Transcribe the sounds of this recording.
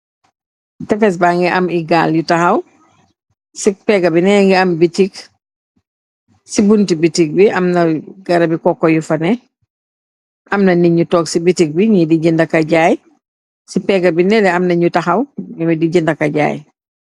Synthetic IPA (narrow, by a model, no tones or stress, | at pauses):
tɛfɛs̬baːŋɡɛʔɐmiɡaːljutaxɐw | sik̚pɛɡɐbinɛŋɡɛɐmbitik | sibuntibitik̚biɐmnɐɡ̥ɐɾɐbikɔkːɔjufɐnɛ | ʔɐmnɐniɲutɔːksibitik̚biɲidiɟindɐkɐɟaːj | sipɛɡɐbinɛlɛɐmnɐɲutɐxɐwŋɛmidiɟindɐkɐɟa̰ːj